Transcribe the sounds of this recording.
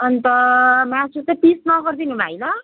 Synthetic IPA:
ʌnt̪ʌmat͡sut̪ʌpisnʌɡʌrd̪inumajlʌ

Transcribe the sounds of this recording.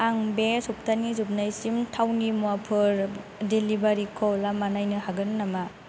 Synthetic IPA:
aŋbesup̚tʰanizup̚najsimtʰawnimuapʰɯɾ | delibaɾikʰɔlamanajnɯhaɡɯnnama

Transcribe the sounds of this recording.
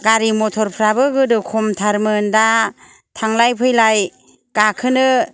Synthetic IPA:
ɡaɾimɔtʰɔɾpʰɾabɯɡɯdɯkʰɔmtʰaɾmɯnda | tʰaŋlajpʰɯjlaj | ɡ̥akʰɯnɯ

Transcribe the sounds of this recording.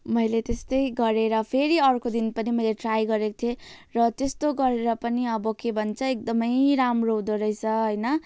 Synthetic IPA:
mʌjlet̪est̪ʌjɡʌɾeɾʌpʰeɾiʌrkod̪inpʌnimʌjleʈrajɡʌɾekot̪ʰje | rʌt̪est̪oɡʌɾeɾʌpʌniʌbʌkebʱʌnt͡sʰʌek̚d̪ʌmʌjɾamrod̪oɾʌjt͡sʰʌɦʌjnʌ

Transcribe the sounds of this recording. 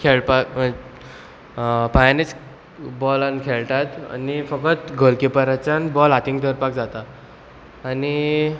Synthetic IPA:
kʰeɭpak | pajnet͡s | bɔlankʰelʈ̪at̪a̰nifəkət̪ɡʱəlkipəɾat͡ɕanbɔlɦat̪iŋɡd̪əɾpak̚d͡zat̪aː | ni

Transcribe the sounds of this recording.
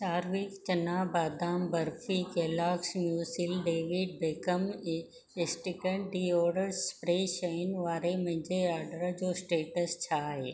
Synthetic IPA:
saːɾʋɪkt͡ɕɐnaːbaːd̪aːmbɐɾfikeːlaːksmjuːsɪlɖeːʋɪɖ̚beːkəm | ɪsʈɪkə̃ɳʈɖiːɔːɾɖəɾpɾeːʃɐɪnʋaːɾemɐ̃ɦɪ̃ɲd͡ʑeaːɾɖəɾd͡ʑoːsʈeːʈəst͡ɕʰaːɦeː

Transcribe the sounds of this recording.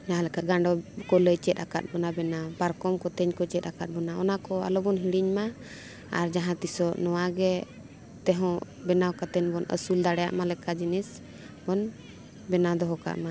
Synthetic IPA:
d͡ʒaɦãlɛkat̪̚ɡaɳɖɔkɔləjt͡ʃɛt̪̚aka̰t̪̚bɔnabɛnabaɾkɔmkɔt̪ɛɲkɔt͡ʃɛt̪akat̪̚bɔnaɔnakɔa̰lɔbɔnɦiɽiɲma | a̰ɾd͡ʒaɦãt̪isɔʔnɔwaɡɛ | t̪ɛɦɔ̃ | bɛnawkat̪ɛɲbɔnə̰suld̪aɽɛja̰ʔmalɛkad͡ʒinis | bɔn | bɛnad̪ɔɦɔka̰ʔma

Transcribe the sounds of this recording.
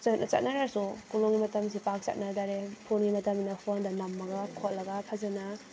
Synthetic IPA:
t͡ʃanat͡ʃɐ̰t̚naɾaɾsukulɔŋɡimɐtɐms̬ipak̚t͡ʃɐ̰t̚nadaɾepʰonɡimɐtɐminapʰondanamːɐɡakʰot̚lɐɡapʰazana

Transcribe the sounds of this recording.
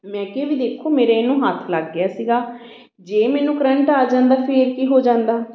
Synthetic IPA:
mɛ̃ːkeːʋiːd̪eːkʰːoːmeːɾeːɪnũːɦat̪ʰlaɡːɪjaːsiːɡaː | d͡ʒeːmɛːnũːkəɾəɳʈaːd͡ʒãːnd̪aːpʰeːɾkiːɦoːd͡ʒãːnd̪aː

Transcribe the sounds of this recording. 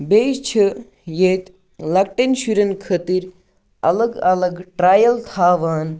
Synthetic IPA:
beːt͡ʃʰə | jeːt̪ | lɐk̚ʈenʃuɾɐnkʰɐt̪iɾ | ɐ̰lɐɡɐlɐɡʈɾaːjɐlt̪ʰaːʋaːn

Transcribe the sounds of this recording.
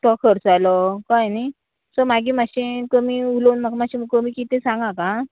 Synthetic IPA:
ʈɔkʰəɾt͡salɔkãjni | səɾmaɡĩːmaɕẽkəmiːulonmaɡmaɕĩməɡkəmiːkit̪ẽsãŋɡãkã

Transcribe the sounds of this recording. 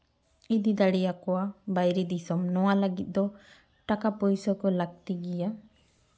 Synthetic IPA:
id̪id̪aɽɛjakɔwabajɾid̪isɔmnɔwaləɡit̪̚ˀd̪ɔ | ʈakapɔjsɔkɔlaɡ̚t̪iɡija

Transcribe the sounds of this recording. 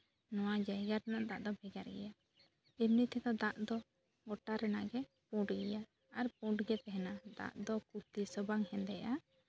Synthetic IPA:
nɔwad͡ʒaɡaɾnaʔd̪aʔd̪ɔbʱɛɡaɾɡɛ̰ja | imnit̪ʰɛd̪ɔd̪aʔd̪ɔ | ɡɔʈaɾɛnaʔɡɛ | pũɖɡɛjaː | ɾp̚ũɖɡɛt̪ɛɦɛnad̪a̰ʔd̪ɔkut̪isəbaŋhɛ̃nd̪ɛʔa

